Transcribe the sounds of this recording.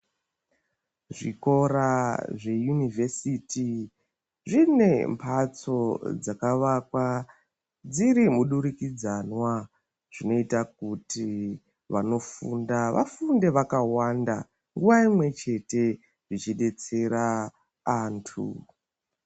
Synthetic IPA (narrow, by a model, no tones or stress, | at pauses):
ʐiko̞ɾaʐe̞junivʱesiti | ʐine̞mpʰat͡so̞d͡zakaʋakwa | d͡ziɾimuɗuɾikid͡zanwa | ʐ̥ino̞itak̚uti | ʋano̞fundaʋa̰funde̞ʋakawanda | ŋɡuʋaimwe̞t͡ʃe̞te̞ | ʐit͡ʃiɗe̞t͡se̞ɾaː | ntʰṵ